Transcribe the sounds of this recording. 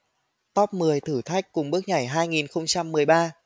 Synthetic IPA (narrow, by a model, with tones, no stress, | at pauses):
t̪ɔ˦˥p̚mɨ˨˩əjt̪ʰɨː˧˩t̪ʰa˦˥jk̟̚kʊ˨˩ŋ͡mɓɨ˦˥k̚ɲa˧˩jɦaː˧jŋi˨˩nxə˧wŋ͡mt͡ɕa˧mːɨ˨˩əjɓaː˧